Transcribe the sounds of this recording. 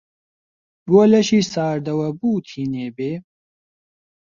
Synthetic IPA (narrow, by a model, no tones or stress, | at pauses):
buɐlɐʃiːsaːɾd̪ɐwɐbuːt̪ʰiːneːbeː